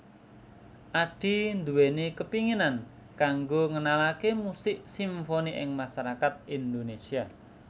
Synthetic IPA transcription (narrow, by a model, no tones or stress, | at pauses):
ʔaɖ̥i̤nd̪uwenikəpiŋinan | kaŋɡoŋənalakemusɪʔsiɱfoniʔɪ̰ŋmasaɾakat̪̚ind̪onesia